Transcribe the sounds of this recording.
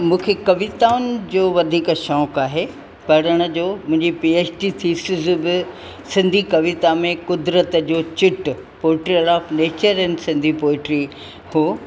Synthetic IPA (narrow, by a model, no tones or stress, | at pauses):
mũːkʰekɐʋɪt̪aːʊnɪ̆d͡ʑoːʋɐd̪ʱiːkʃɔːkaːɦe | pɐɽ̤əɽ̃ʊ̆d͡ʑoːmʊ̃ɦɪ̃ɲd͡ʑipiːeːt͡ɕʈit̪ʰiːsɪzbɪ | sɪ̃nd̪ʱikɐʋɪt̪amẽkʊd̪ɾət̪əd͡ʑoːt͡ɕɪʈ | poːɪʈɾiɐɾaːfneːt͡ɕəɾɛnsɪ̃nd̪ʱipoːɪʈɾi | hu